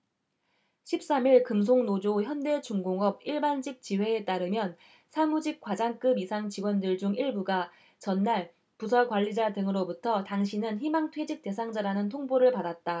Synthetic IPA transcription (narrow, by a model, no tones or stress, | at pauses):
ɕʰip̚s͈amiɭkɯms̬ʰoŋnod͡ʑoçjʌnde̞t͡ɕuŋɡoŋʌb̚iɭband͡ʑik̚t͡ɕiwe̞et͈aɾɯmjʌn | sʰamud͡ʑik̚k͈wad͡ʑaŋk͈ɯbisʰaŋt͡ɕiɡwʌndɯɭd͡ʑuŋiɭbuɡa | t͡ɕʌnːaɭ | pus̬ʰakwaʎːid͡ʑadɯŋɯɾobutʰʌtaŋɕ̬ʰinɯnçimaŋtʰwe̞d͡ʑik̚t͈e̞sʰaŋd͡ʑaɾanɯntʰoŋboɾɯɭpadat̚t͈a